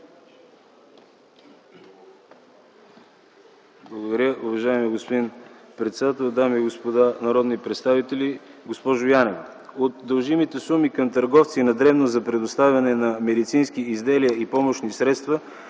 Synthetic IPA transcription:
blˠəɡod̪ɐɾʲəuvɐʒaɛmiɡospod̪inpɾɛt̪sɛd̪at̪ɛlˠd̪amiɡospod̪anɐɾɔd̪nipɾɛt̪st̪avit̪ɛliɡospɔʒojanɛvot̪d̪ɐlˠʒimit̪ɛsumikəmt̪ɐɾɡɔft̪siːnɐd̪ɾɛvnozzɐpɾɛd̪ost̪avʲɐnɛnɐmɛd̪it̪sinskiizd̪ɛliəipɔmoʃnisɾɛt̪st̪və

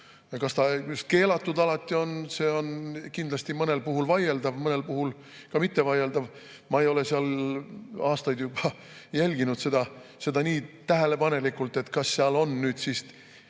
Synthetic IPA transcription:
jɑkɑst̪ɑkyske̞ːlɑt̪ˑːud̪̥ɑlɑt̪ʲˑːio̞nse̞ːo̞nkind̪lɑsʲt̪imɤne̞lpuɦulvɑje̞ld̪ɑvmɤne̞lpuhul | kɑmit̪ːevɑje̞ld̪̥ɑv | mɑe̞jo̞le̞seɑl | ɑːst̪ɑjd̪jub̥ɑ | jælʲɡ̥inud̪̥se̞d̪ɑse̞d̪ɑniːt̪æɦe̞le̞pɑne̞likːult̪ːˑe̞t̪kɑsːeɑlo̞nnyːd̪̥sist̪

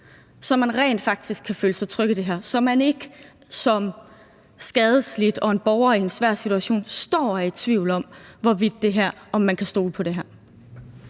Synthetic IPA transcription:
sɒ̽mænʁɛ̰ːnd̥fɑ̈ɡ̥̚d̥isɡ̥kʰːæføːləsɑɪt͡sʰʁœɡ̥əd̥e̝ɦæɐ̰sɒ̽mæne̝ɡ̥ə | sɒ̽m | sɡ̥ɛːð̞ˠəslid̥ɒ̽e̝nb̥ɒʊɐie̝nsʋæɐ̰sit͡sʰuæɕo̝̰ːnsd̥ɒ̰ːæe̥t͡sʰʋḭʊ̰lɒ̽mʋɒʋid̥̚ːe̝ɦæɐ̰ɒ̽mːænkʰæsd̥o̝̰ːləpʰɒ̽ɾ̥e̝ɦæɐ̰

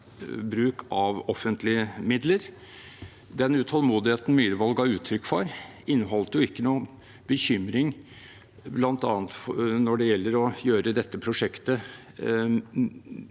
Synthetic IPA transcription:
bɾʉːkʰɑʋɔfːənt̪ʰlɪəmɪd̪ləɾ | d̪ɛnʉt̪ʰhɔlmuːd̪ɪheːt̪n̩myːɾəʋɑlɡɑʉːt̪ʰɾʏkːfɔɾ | ɪnːəɦɔlt̪əjʊɪkːənuː | bəçʏmɾɪŋ | blɑnt̪ɑːnət̪fnɔɖɛjɛlːəɾɔjøːɾəd̪ɛt̪ːəpʰɾʊʂɛkt̪ə

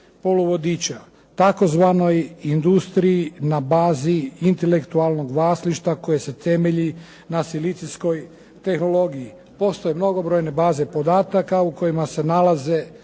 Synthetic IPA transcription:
poluʋo̞d̪it͡ɕa | t̪ako̞zʋano̞jind̪ust̪ɾiinabaːziint̪elekt̪ualˠno̞ɡʋaːsliʃt̪ako̞jese̞t̪e̞me̞ʎi | nasilit̪sisko̞j | t̪e̞xno̞lo̞ɡiji | po̞st̪o̞jemno̞ɡo̞bɾo̞ːjne̞baːze̞po̞d̪aːt̪akauko̞jimase̞nalaze

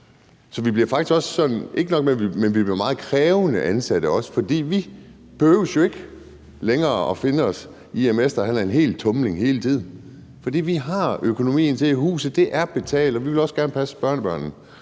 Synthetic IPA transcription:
sɒ̽ʋib̥liɐfɑ̈ɡ̥i̥sɡ̥ɒ̽ssɒ̽nn̩ʔe̝ɡ̥ənɒ̽ɡ̥̚menʋimenʋib̥liɐmɑ̈ːð̩ˠkʰʁɛːʊənəʔænsæd̥əɒ̽sə̥fɒ̽d̥ḭːʋi | b̥ehøʊsjo̝e̝ɡ̥ə | leŋɐːɒ̽fe̝nəɒ̽s | iemesd̥ɐhænæɐenɦe̝̰ːlt͡sʰɔ̽mle̝ŋhe̝ːlət͡sʰið̞̰ˠn̩ | fɒ̽d̥ḭːʋiɦɑ̈økʰo̝no̝mḭːn̩t͡sʰe̝iɦṵːsð̩ˠd̥e̝ʔæɐb̥e̝t͡sʰɛ̰ːld̥ɒ̽ʋiʋe̝lɒ̽sɡ̥æɐnəpʰæsə̥b̥ɶɐnəb̥ɶɐ̰nn̩

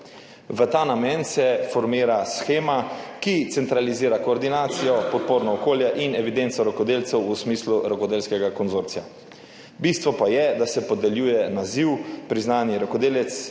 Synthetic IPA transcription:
ʋət̪aːnamɛnsɛfɔɾmiːɾasxeːmakit̪sɛnt̪ɾaliziːɾakoːɾd̪inaːt̪sijɔpɔt̪̚poːɾnɔːkoːljaʔinɛʋid̪ent̪sɔɾɔkɔd̪eːlt̪sɛwusmiːsluɾɔkɔd̪eːlskɛɡakɔnzoːɾt̪sija̰ | bist̪ʋɔpajɛd̪asɛpɔd̪ɛljuːjɛnaziwpɾiznaːnjiɾɔkɔd̪eːlɛt̪s

